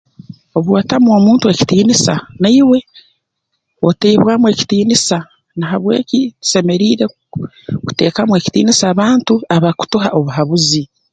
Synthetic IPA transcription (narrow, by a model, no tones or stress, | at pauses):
o̞βwatamuo̞ːmuːntue̞ci̥tiːnisanaiwe̞ | o̞teːβwaːmwe̞ːci̥tiːnisa | naɦaβwe̞̰ːcitu̥se̞me̞ɾiːɾe̞ | ku̥te̞ːkamwe̞ci̥tḭːnisaːβaːntuaβaku̥tuɦaʔo̞βuɦaβuzi